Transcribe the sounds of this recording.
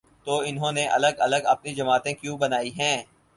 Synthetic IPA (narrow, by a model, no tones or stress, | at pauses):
t̪oːɪnɦõneʔɐ̰ləɡɐləɡɐp̚nid͡ʒɐmaːt̪ẽkjũːbɐnaːiɦɛ̃ː